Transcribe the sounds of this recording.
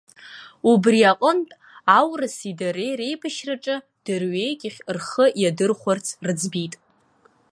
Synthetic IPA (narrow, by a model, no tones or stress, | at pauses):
ubriaqʷʼəntʼ | awrɨsidaɾejre̞jpʰɨʃraʈ͡ʂʼɨ | d̥ɨrɥejkʲʼɪχʲrχəjadɨrχʷʊart͡sʰrɨd͡zbitʼ